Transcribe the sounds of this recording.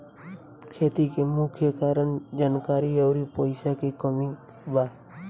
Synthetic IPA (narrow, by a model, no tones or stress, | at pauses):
kʰeːt̪ikemʊkʰjəkaːɾəɳd͡ʒaːnkaːɾiəwɾipəɪsakekəmĩ | ba